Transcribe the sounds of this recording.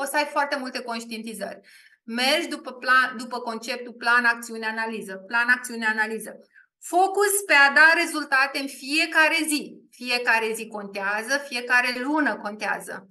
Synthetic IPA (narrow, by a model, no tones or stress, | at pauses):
o̞səajfoart̪e̞mult̪e̞ko̞nʃt̪ient̪izə̰rʲ | me̞rd͡ʒʲd̪upəplad̪upəko̞nt͡ʃe̞p̚t̪uplanak̚t̪siuneanalizəplanak̚t̪siuneanalizə | fo̞kuspe̞ad̪aɾe̞zult̪at̪e̞ɨnfije̞kaɾe̞zifije̞kaɾe̞ziko̞nt̪eazəfije̞kaɾe̞lunəko̞nt̪ea̰zə̰